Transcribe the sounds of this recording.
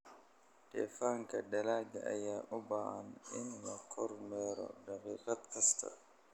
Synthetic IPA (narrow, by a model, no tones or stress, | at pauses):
ɖ̥ɛ̰ːfaːŋkʰɐɖɐlaːɡɐʔɐjaːʔʊbaːhɐnɪnlɐqʰɔrmɛːɾɔ̰ɖɑqiːqɑd̪kʰɐst̪ʰɐ̰